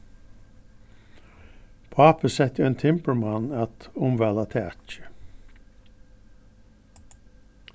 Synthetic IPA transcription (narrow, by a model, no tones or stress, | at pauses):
pʰɑpəsɛt̪əɛnt̪ʰɪmpəɹmanat̪ʊmʋælat̪ʰɛæt͡ʃə̥